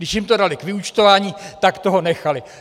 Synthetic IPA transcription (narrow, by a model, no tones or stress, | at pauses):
dɪʃjɪmt̪o̞dalɪkvɪut͡ʃt̪ovaːɲiːt̪akt̪o̞ɦo̞nɛxalɪ